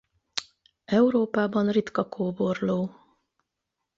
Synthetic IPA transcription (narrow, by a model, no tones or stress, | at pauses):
ɛuɾoːpaːbɒnrit̪kɒkʰoːbo̞rloː